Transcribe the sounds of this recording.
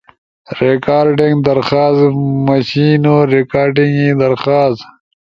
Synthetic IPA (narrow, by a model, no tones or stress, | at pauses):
ɾekaːɾɖiŋɡd̪ɐɾxaːsmɐɕiːnoɾekaːɾɖɪŋɡid̪ɐɾxaːst̪